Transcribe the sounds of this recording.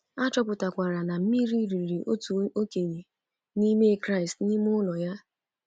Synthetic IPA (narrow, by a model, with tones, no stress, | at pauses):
a˦t͡ʃɔ˦pʊ˨ta˨kʷa˨ɾa˨na˨m̩˦mi˦ɾi˦ɾi˨ɾi˨ʔo˦tu˨o˦ke˨ɲe˨ | ni˦me˦˨kɾa˦ɪ˨stni˦m˦ʊ˦lɔ˨ja˦